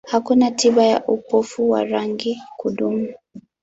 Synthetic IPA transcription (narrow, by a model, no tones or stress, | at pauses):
hakunatiɓaja̰ʔupɔfuwa̰ɾaŋɡikuɗumu